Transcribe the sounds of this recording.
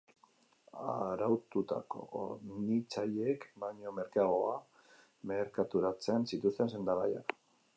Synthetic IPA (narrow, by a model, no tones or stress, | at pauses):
aɾawt̪ut̪a̰ko̞̰onit͡saʎe̞kbaɲo̞me̞ɾkaɣoa | me̞ɾkat̪uɾat͡se̞nsit̪ust̪e̞nse̞nd̪aɣaja̰